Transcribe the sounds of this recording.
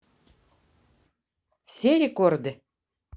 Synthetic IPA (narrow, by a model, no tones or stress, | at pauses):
fsʲeɾʲekord̪ɘ̆